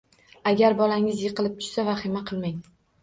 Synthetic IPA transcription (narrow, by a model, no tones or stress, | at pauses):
aɡʲaɾbɒlaŋɪzjɨqɨlɪp̚t̪ʰʊ̥ʃsavaχɪmaqʰɨlˠmaŋ